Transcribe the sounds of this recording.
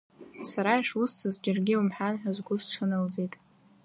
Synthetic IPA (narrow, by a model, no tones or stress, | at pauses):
saɾaiʂustʰɨzd͡ʒɪrɡʲɪwumħanħʷᶣazɡʷʊzʈ͡ʂʰɨnɨld͡zejtʼ